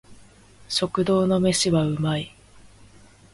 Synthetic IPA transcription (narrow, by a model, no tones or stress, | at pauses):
ɕo̞kɯ̟d̪o̞ːno̞me̞ɕiβaɯ̟mai